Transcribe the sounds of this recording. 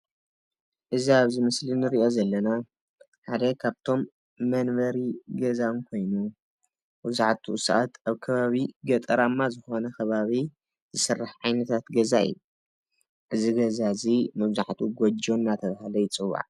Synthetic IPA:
ʔɨziaβzimɨslinɨɾiʔo̞zɐlːɐna | ħad̪ɐkʰaβt̪ʰo̞mː | ɐnβɐɾiɡɐzawnkʰo̞jnu | bɨzaʕt̪ʰusaʔat̪ʔaβkʰɐβaβiɡɐt̪ʼɐɾamːazɨxo̞nɐkʰɐβaβi | zɨsɨrːaħʕajnɐt̪ʰat̪ɡɐzaɨ̰jːu | ʔɨziɡɐzazimɨβzaʕt̪ʰuɡod͡ʒonːat̪ʰɐβahalɐjɪt͡sʼɨwːa̰ʕ

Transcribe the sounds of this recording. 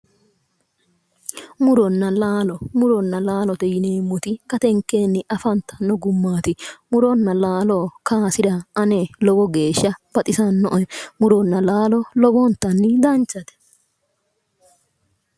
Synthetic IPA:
mʊɾɔnːɐlaːlɔmʊɾɔnːɐlaːlɔt̪ɛjɪneːmːʊt̪ɪkɐt̪ɛŋkːe̞ːnːɪʔɐfɐnt̪ːɐ̥nːɔɡʊmːaːt̪ɪmʊɾɔnːɐlaːlɔːkʰaːsɪd̪ɐɐnelɔbɔɡe̞ːʃːɐb̥ɐt̪ʼɪsɐnːɔʔɔmʊɾɔnːɐlaːlɔlɔbɔnt̪ːɐnːɪd̪ɐnt͡ʃːɐt̪ɛ̥

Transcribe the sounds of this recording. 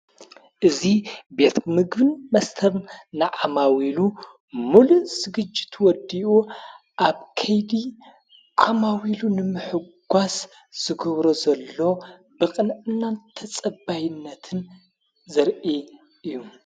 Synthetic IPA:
ʔɨzibe̞t̪ʰmɨɡbɨnmɐst̪ʰɐβnɨʕamawilu | muluʔsɨɡɨd͡ʒːi̥t̪ʰwɔd̪iʔu | ʔaβkʰɐjd̪i | ʕamawilunɨmɨħɨɡ̥ʷas | z̥ɨɡɐβɾozɐlːo̞ | bɨkʼɨnʔɨnːant̪ʰɐt͡sʼɐbajɪnːɐt̪ʰɨn | zɨɾʔi | ɨjːu

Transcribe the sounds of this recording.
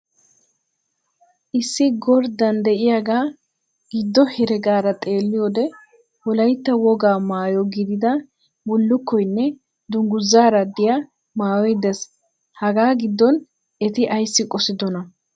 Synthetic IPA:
ʔɪsːɪɡɔɾd̪ɐnd̪ɛʔɪjaɡaː | ɡ̥ɪd̪ːɔhɛɾɛɡaːɾɐt̪ʼe̞ːlːɪjɔd̪ɛ | wɔlɐjt̪ːɐwɔɡaːmaːjɔɡɪd̪ɪd̪ɐ | bʊlːʊkːɔjnːɛ | d̪ʊŋɡʊzːaːɾɐd̪ɪja | maːwɔjd̪ɛs | hɐɡaːɡɪd̪ːɔn | ɛt̪ɪʔɐjsːɪkʼɔsɪd̪ɔnɐ

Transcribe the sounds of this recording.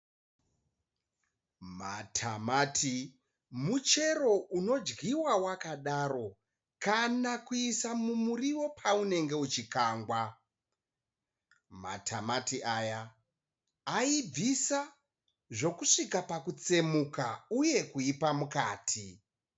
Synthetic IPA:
ma̰tʰa̰maːtʰi | mut͡ʃe̞ɾo̞uno̞d͡ʒɡiwawakaɗaːɾo̞ | kanakuisamumuriwo̞pʰaune̞ŋɡe̞ut͡ʃikaːŋɡwa | ma̰tʰamatiʔajaː | ib͡visa | ʐo̞kuʂikapakut͡se̞mukauje̞kuipamuka̰ːtʰi

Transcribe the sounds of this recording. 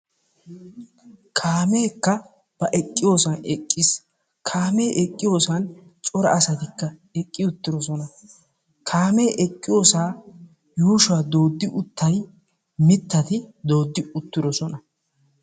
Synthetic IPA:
kʰaːme̞ːkːɐ | b̥ɐʔɛkʼːɪjo̞ːsɐnɛkʼːɪs | kʰaːme̞ːʔɛkʼːɪjo̞ːsɐnt͡ʃʼɔɾɐ̰ʔɐsɐt̪ɪkːɐɛkʼːɪʊt̪ːɪɾɔsɔnɐ | kʰaːme̞ːʔɛkʼːɪjo̞ːsaː | juːʃaːd̪o̞ːd̪ːɪʔʊt̪ːɐj | mɪt̪ːɐt̪ɪd̪o̞ːd̪ːɪʊt̪ːɪɾɔsɔnɐ

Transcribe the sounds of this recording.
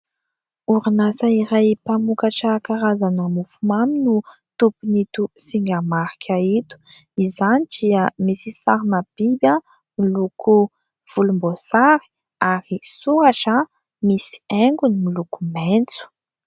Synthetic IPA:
uɾinasaiɾajpamukaʈ͡ʂakaɾazanamufumaminu | t̪upunit̪usiŋɡamaɾikʲʰait̪u̥ | izanid̥iəmisisaɾinab̥ibja | milukʰu | v̥ulumbosaɾi̥ | aɾisuɾaʈ͡ʂə | misi̥ɛŋɡunimilukument͡su̥

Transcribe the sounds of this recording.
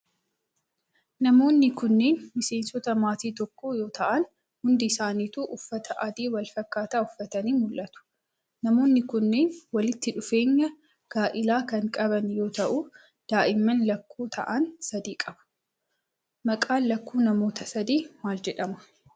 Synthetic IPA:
nɐmo̞ːnːɪkʊnːe̞ːnmɪse̞ːnsɔt̪ɐmaːt̪iːt̪ɔkːoːjo̞ːt̪ʰɐʔɐn | hʊnd̪ɪsaːniːt̪uːʔʊfːɐt̪ɐʔɐd̪iːwɐlfɐkːaːt̪aːʊfːɐt̪ɐniːmʊlʔɐt̪ʊ̥ | nɐmo̞ːnːɪkʊnːeːnwɐlɪt̪ːɪᶑʊfe̞ːɲːɐ | ɡ̥aːʔɪlaːkɐŋkʼɐbɐnjo̞ːt̪ɐʔʊ | d̪̥aːʔɪmːɐnlɐkːuːt̪ʰɐ̰ʔɐnsɐd̪iːkʼɐbɐ̥ | mɐkʼaːnlɐkːuːnɐmo̞ːt̪ɐsɐd̪iːmaːld͡ʒɛᶑɐmʊ̥

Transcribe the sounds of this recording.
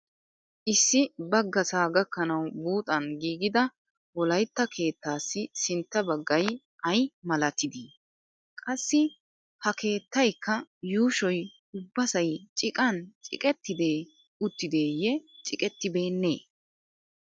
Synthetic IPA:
ʔɪsːɪbɐɡːɐsaːɡɐkːɐnɐwbuːt̪ʼɐnɡiːɡɪd̪ɐ | wɔlɐjt̪ːɐkʰe̞ːt̪ːaːsːɪsɪnt̪ːɐbɐɡːɐj | ʔɐjmɐlɐt̪ːɪd̪i | kʼɐsːɪ | hɐkʰe̞ːt̪ːɐjkːɐjuːʃɔj | ʊbːɐsɐjt͡ʃʼɪkʼɐnt͡ʃʼɪ̰kʼɛt̪ːɪd̪e̞ː | ʊt̪ːɪd̪e̞ːjɛt͡ʃʼɪkʼɛt̪ːɪbe̞ːnːe̞ː

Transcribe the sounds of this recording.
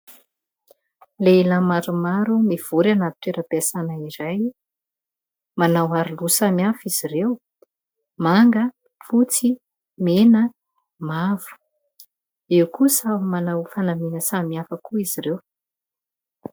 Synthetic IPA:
leilamaɾumaɾumiv̥uɾanat̪i̥t̪eɾəbesanaiɾaj | manawaɾilusamiafiz̥irew | maŋɡə | fut͡si | menə | mavu̥ | ewkusamanawfanaminəsamiafəkuiz̥irew

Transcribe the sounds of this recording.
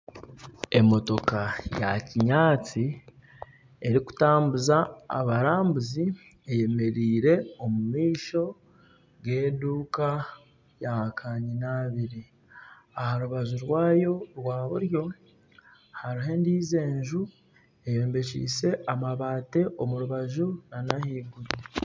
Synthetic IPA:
e̞mo̞to̞kajaciɲaːt͡si | e̞ɾiku̥taːmbuza̰ːβaɾaːmbuzi | eje̞me̞ɾiːɾe̞omumiːʃo̞ | ɡe̞ːduːka | jakʰaːɲinaβiɾi | ahaɾuβaʒuɾwaːjo̞ɾwaːβuɾjo̞ | haɾuɦe̞ːndiːze̞ːɲʒu | e̞jo̞ːmbe̞ʃḭːse̞ʔamaβaːte̞ʔo̞muɾuβaʒunanahiɡuɾi

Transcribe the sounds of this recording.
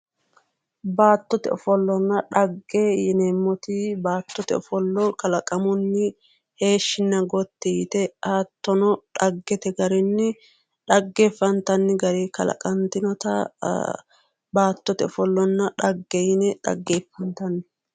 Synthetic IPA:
baːt̪ːɔt̪ɛ̰ɔfɔlːɔnːɐᶑɐɡːejɪnɛmːɔt̪ɪbaːt̪ːɔt̪ɛ̰ɔfɔlːɔkɐlɐkʼɐmʊnːɪ | he̞ːʃːɪnːɐɡɔt̪ːɛjɪt̪ɛaːt̪ːɔnɔᶑɐɡːɛt̪ɛɡɐɾɪnːɪ | ᶑɐɡːeːfːɐnt̪ɐnːɪɡɐɾikɐ̰lɐ̰kʼɐnt̪ɪnɔt̪ɐ | baːt̪ːɔt̪ɛɔfɔlːɔnːɐᶑɐɡːɛjɪnɛᶑɐ̰ɡːeːfːɐnt̪ɐnːɪ

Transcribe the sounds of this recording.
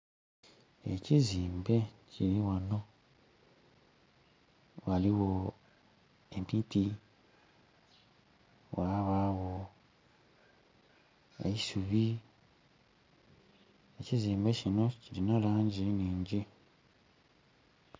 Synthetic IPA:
eciziːmbeciɾiwano | waliwo | empiːti | waβawo | ḛisuβi | eciziːmbecinocilinalaɲɟiniːɲɟi

